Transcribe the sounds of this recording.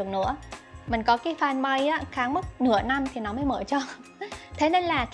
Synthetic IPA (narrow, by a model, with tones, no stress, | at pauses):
əŋnɨ̰˧˥əmï˨˩ŋ̟kɔ˨˦kaː˨˦jfaː˧nɓa˧jaː˨˦xaː˨˦ŋm˦˥t̚nɨ̰˧˩əna˧mt̪ʰi˨˩nɔ˨˦məː˨˦jmə̰ː˧˩t͡ɕɔ˧ | t̪ʰe˨˦ne˧nlaː˨˩